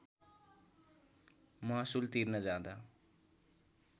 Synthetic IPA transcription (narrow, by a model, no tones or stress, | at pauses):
masult̪iɾnʌd͡ʒãːd̪a